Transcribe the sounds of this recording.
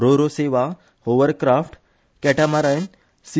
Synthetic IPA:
ɾoɾoseʋa | oʋəɾkɾafʈ | kɛʈamaɾajn | si

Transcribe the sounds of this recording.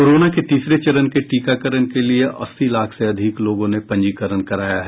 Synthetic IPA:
koːɾoːnaket̪iːsɾet͡ʃɐɾənkeʈiːkakəɾənkelieʔɐsːilaːkʰseɐd̪ʱɪkloːɡõnepɐ̃ɲd͡ʒiːkəɾəɳkɐɾaːjaɦɛ

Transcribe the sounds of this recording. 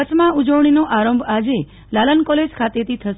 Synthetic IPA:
ət͡ʃmãud͡ʒəʋɳ̃inoʔaɾəmbʱad͡ʒe | lalənkɔled͡ʒkʰat̪et̪ʰit̪ʰəʃ

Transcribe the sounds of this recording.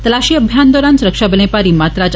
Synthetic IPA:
t̪əlaʃiːəbʱjand̪ɔɾansuɾəkʂabəlẽpaɾimat̪ɾad͡ʒ

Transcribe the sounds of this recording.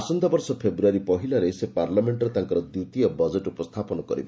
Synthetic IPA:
asɔnd̪abɔɾsɔpʰebɾuaɾipɔɦilaɾesepaɾlameɳʈɾet̪aŋkɔɾɔd̪jut̪iɔbɔd͡ʒeʈupɔst̪ʰapɔnɔkɔɾḭbɔ

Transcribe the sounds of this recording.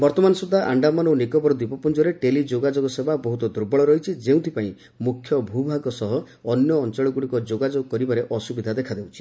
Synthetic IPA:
bɔɾt̪ɔmanɔsud̪ʱːaʔaɳɖamɔnonikɔbɔɾɔd̪ipɔpund͡ʒɔɾeʈelid͡ʒoɡad͡ʒoɡɔsebabɔɦut̪ɔd̪uɾbɔɭɔɾɔɦit͡ʃʰid͡ʒeũt̪ʰipaĩ | mukʰjɔbʱubʱaɡɔsɔɦɔː | njɔːnt͡ʃɔɭɔɡuɽikɔd͡ʒoɡad͡ʒoɡɔkɔɾibaɾeʔɔsubid̪ʱad̪ekʰad̪eut͡ʃʰi̥

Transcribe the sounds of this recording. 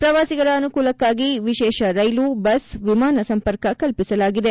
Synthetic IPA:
pɾɐʋaːsiɡɐɾɐːnukuːlɐkːaːɡiʋiʃɛːʃɐɾɐjluːbɐsʋimaːnɐsɐmpɐɾkɐkɐlpisɐlaːɡid̪e̞

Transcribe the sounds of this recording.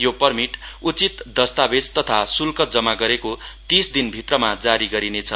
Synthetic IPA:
jopʌrmiʈut͡sit̪d̪ʌst̪abed͡zt̪ʌt̪ʰasulkʌt̪d͡zʌmaɡʌɾekot̪isd̪inbʱit̪rʌmad͡zaɾiɡʌɾinet͡sʰʌ

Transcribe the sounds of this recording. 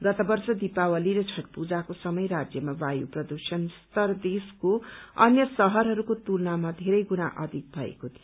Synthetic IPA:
ɡʌt̪ʌbʌrsʌd̪ipawʌliɾʌt͡sʰʌʈpud͡zakosʌmʌjɾad͡zjʌmabajuprʌd̪usʌnst̪ʌrd̪eskoʌnjʌsʌɦʌɾɦʌɾukot̪ulnamad̪ʱeɾʌjɡunaʔʌ̰d̪ʱik̚bʱʌḛkot̪ʰij

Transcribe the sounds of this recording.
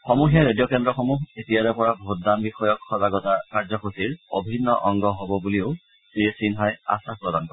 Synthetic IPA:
xɔmuxɛɹedijɔkɛndɹɔxɔmuɦetijaɹɛpɔɹabʱot̚dambixɔjɔkxɔzaɡɔtakaɹzɔxosiɹobʱinːɔ̰ʔɔŋɡɔɦobɔbuliʊ | siesinɦɔja̰sapɹɔdankɔɹ

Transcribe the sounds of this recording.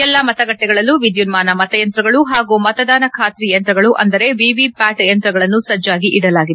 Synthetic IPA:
ɛlːɐmɐt̪ɐɡɐʈːɛɡɐɭɐlːuʋid̪junmaːnɐmɐt̪ɐjɐnt̪ɾɐɡɐɭuɦaːɡumɐt̪ɐd̪aːnɐkʰaːt̪ɾijɐnt̪ɾɐɡɐɭuʔɐ̰nd̪ɐɾe̞ʋiʋipaːʈjɐnt̪ɾɐɡɐɭɐnːusɐd͡ʒːaːɡiʔiɽɐlaːɡid̪e

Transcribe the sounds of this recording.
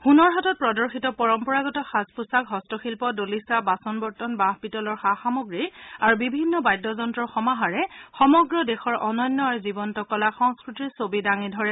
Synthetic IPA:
xunɔɹɦatɔt̚pɹɔdɔɹxitɔpɔɹɔmpɔɹaɡɔtɔxaspusakɦɔstɔxilpɔdolisabasɔnbɔɹtɔnbaɦpitɔlɔɹxaxamɔɡɹiaɹubibʱinːɔbajdːɔzɔntɹɔxɔmaɦaɹɛxɔmɔɡɹɔdexɔɹʔɔnɔnːɔaɹuzibɔntɔkɔlaxɔŋskɹitisobidaŋidʱɔɹɛ

